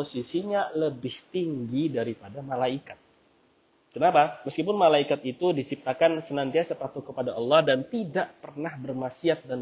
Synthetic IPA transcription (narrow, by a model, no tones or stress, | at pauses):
osisiɲaləbɪht̪iŋɡidaɾipadamalaikat̪̚ | kənapaməskipʊnmalaikat̪it̪udit͡ʃip̚t̪akansənant̪iasapat̪ukəpadaʔɑlːɑhdant̪idaʔpərnahbərmasiat̪̚dan